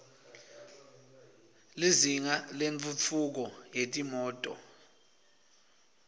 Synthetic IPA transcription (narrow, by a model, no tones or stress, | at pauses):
liziŋalent͡fʰʼut͡fʰuk̬ɔjetʼimɔːtʼɔ̰